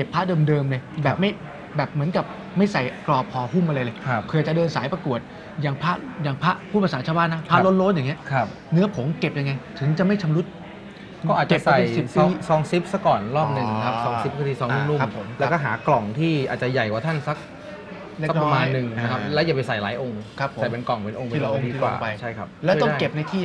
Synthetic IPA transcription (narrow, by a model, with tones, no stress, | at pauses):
ke˨˩pʰːa˦˥dɤː˧mdɤː˧mlɤ˧jbɛː˨˩p̚ma˥˩j | bɛː˨˩p̚mɯ˩˦ənka˨˩p̚ | ma˥˩jsa˨˩jklɔː˨˩p̚ʰɔː˧hu˥˩mʔa˧ɾa˧jlɤː˧jkʰkʰɯː˧aː˨˩t͡ɕa˨˩dɤː˧nsaː˩˦jpɾa˧ku˨˩ət̪̚ | jaː˨˩ŋpʰa˦˥ʔjaː˨˩ŋpʰa˦˥ʔpʰuː˥˩pːsaː˩˦nt͡ɕʰaː˧baː˥˨nːa˦˥pʰa˦˥˦lo˦˥n̚lo˦˥t̪̚jaː˨˩ŋi˦˥ɐkʰa˦˧p̚ | nɯ˦˥ɐpʰo˩˦mke˨˩p̚ja˧ŋːa˧jt̪ʰɯ˨˩˦ŋt͡ɕa˨˩ma˥˩jt͡ɕʰa˧mɾu˦˥t̪̚ | kɔ˥˩ʔaː˨˩kt͡ɕpsa˨e˧˩jsi˨˩p̚pi˧˦˥sɔː˧ŋsi˦˥p̚sa˦˥kɔː˨˩nɾɔː˥˩p̚nɯ˨˩ŋ˧kʰa˦˧ɔː˧ŋsi˦˥p̚kʰɯ˧t̪iː˧sɔː˧ŋlu˥˧˩lu˥˩a˦˧p̚ʰːo˩˦mlɛ˦˥kɔː˥˩ɦaː˩˦klɔ˨˩ŋt̪ʰiː˥˩ʔaː˨˩t̪̚t͡ɕa˨˩ja˨˩jkwaː˨˩t̪ʰa˥˩nsa˦˥k̚ | le˥˩˦k̚pɔ˧maː˧nnːɯ˨˩ŋna˧kʰa˦˥plɛː˦˥wjaː˨˩pa˧jsa˨˩jlaː˩˦jʔo˧ŋkʰa˦˥pʰːo˩a˨˩jpe˧nkɔ˨˩ŋpe˧nʔo˧ŋpe˧la˧ʔo˧ŋiː˧wa̰ː˨˧˩pa˧jt͡ɕʰa˥˩jkʰa˦˥p̚lɛː˦˥wt̪ɔ˥ke˨˩p̚na˧jt̪ʰiː˥˩